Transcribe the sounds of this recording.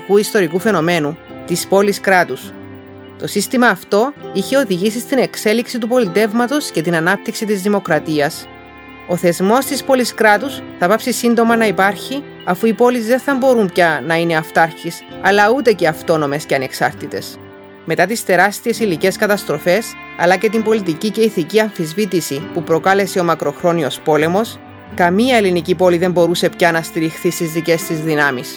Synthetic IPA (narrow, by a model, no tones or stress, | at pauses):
kuist̪o̞ɾikufe̞no̞me̞nut̪ispo̞liskɾɐt̪us | t̪o̞sist̪imɐːft̪o̞içe̞o̞ðiʝisist̪ine̞kse̞liksit̪upo̞lit̪e̞vmɐt̪o̞sce̞t̪inɐnɐp̚t̪iksit̪izðimo̞kɾɐt̪iɐs | o̞θe̞zmo̞st̪ispo̞liskɾɐt̪usθɐpɐpsisind̪o̞mɐnɐipɐɾçi | ɐfuipo̞lizðe̞nθɐmbo̞ɾumpçɐnɐine̞ɐft̪ɐɾçisɐlɐut̪e̞ce̞ɐft̪o̞no̞me̞sceɐneksɐɾt̪it̪e̞̰s | me̞t̪ɐt̪ist̪e̞ɾɐst̪ie̞silice̞skɐt̪ɐst̪ɾo̞fe̞s | ɐ̰lɐce̞t̪imbo̞lit̪̬icice̞iθiciɐɱfizvit̪isipupɾo̞kɐle̞seo̞mɐkɾo̞xɾo̞nio̞spo̞le̞mo̞s | kɐmiɐe̞linicipo̞liðe̞mbo̞ɾuse̞pçɐnɐst̪iɾixθist̪izðice̞st̪izðinɐmis